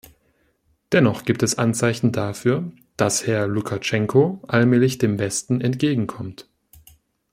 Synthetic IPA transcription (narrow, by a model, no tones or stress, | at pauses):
d̥ɛnɔχɡ̥iːp̚tɛsʔant͡saɪçn̩dafyːɐ | d̥ashɛɐlukʰat͡ʃɛŋkʰoʔalmɛːlɪçd̥eːmbɛstn̩ɛntɡ̥eːɡŋ̩kʰɔmt